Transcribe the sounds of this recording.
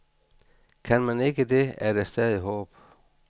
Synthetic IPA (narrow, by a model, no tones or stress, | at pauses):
kʰænmæne̝ɡ̥əde̝æɐd̥æsd̥ɛːð̞ˠiɦɔ̰̽ːb̥